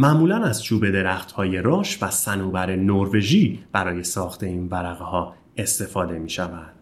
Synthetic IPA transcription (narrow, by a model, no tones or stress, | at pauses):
mæʔmuːlænæzt͡ʃʰuːbe̞d̪e̞ɾæxt̪hɒːje̞ɾɒːʃvæsænuːbæɾe̞noɾve̞ʒiːb̥æɾɒːje̞sɒːxt̪ʰe̞iːnvæɾæɣehɒː | e̞st̪e̞fɒːd̪e̞miːʃævænd̪̥